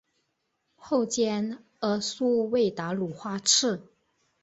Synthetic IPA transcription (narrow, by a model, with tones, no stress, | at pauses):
xo˥˩ʊt͡ɕjɛ˥n | ə˧˥su˥we˥˩ɪt̪a˧˥lu˨˩xwa˥ʈ͡ʂʰɻ̩˥˩